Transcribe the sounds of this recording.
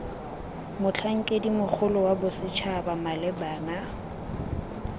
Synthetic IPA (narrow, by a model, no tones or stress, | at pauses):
mʊt͡ɬʰaŋ̩kʼedimʊk͡xʰʊlʊwabʊsɪt͡ʃʰabamalɛbaːna